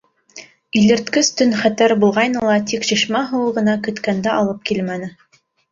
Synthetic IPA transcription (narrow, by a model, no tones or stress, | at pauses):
ilɘ̆ɾt̪kɘst̪ɵnχæt̪æɾbulˠʁɑjnɤlˠɑt̪ikʃĭʃmæɦɤ̆wɤʁɤ̆nɑkɵ̆t̪kænd̪æʔɑlˠɤp̚kilmænɘ